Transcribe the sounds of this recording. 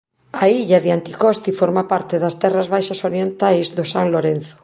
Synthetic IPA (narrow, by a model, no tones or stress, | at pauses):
aiʎaðeant̪ikost̪ifoɾmapaɾt̪eðast̪ɛrazβajʃasoɾijent̪ajzðosaŋloɾen̟θo̥